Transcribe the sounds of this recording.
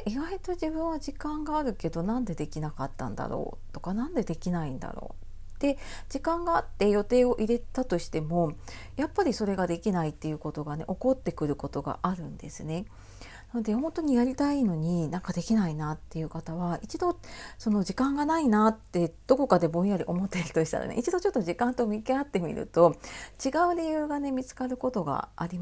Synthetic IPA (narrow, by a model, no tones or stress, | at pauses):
ʔiɡait̪o̞ʑibɯ̟̃ɰ̃βaʑikãŋɡaːɾɯ̟ke̞d̪o̞nãnd̪e̞d̪e̞kʲinakat̪ːã̰nd̪a̰ɾo̰ː | t̪o̞kanãnd̪e̞d̪e̞kʲinaĩnd̪a̰ɾo̰ː | t̪e̞d͡ʑikãŋɡaːt̪ːe̞jo̞t̪e̞ːo̞ʔiɾe̞t̪at̪o̞ɕi̥t̪e̞mo̞ | japːaɾʲiso̞ɾe̞ɡad̪e̞kʲinait̪ːe̞jɯ̟ko̞t̪o̞ɡane̞ʔo̞ko̞t̪ːe̞kɯ̟ɾɯ̟ko̞t̪o̞ɡa̰ʔaɾɯ̟̃nd̪e̞sɨne̞ | nano̞d̪e̞hõnt̪o̞ɲ̟ijaɾʲit̪aino̞ɲ̟inãŋkad̪e̞kʲinainat̪ːe̞jɯ̟kat̪aβ̞ait͡ɕid̪o̞so̞no̞ʑikãŋɡanainat̪ːe̞d̪̥o̞ko̞kad̪e̞bõ̞ɰ̃jaɾʲiʔo̞mo̞t̪ːeɾɯ̟t̪o̞ɕi̥t̪a̰ɾa̰nḛit͡ɕid̪o̞t͡ɕo̞t̪ːoʑikãnt̪o̞mʲikeat̪ːe̞mʲḭɾɯ̟̰t̪o̞t͡ɕiɡaɯ̟ɾejɯ̟ːɡane̞mʲit͡sɨ̥kaɾɯ̟ko̞t̪o̞ɡa̰aɾʲim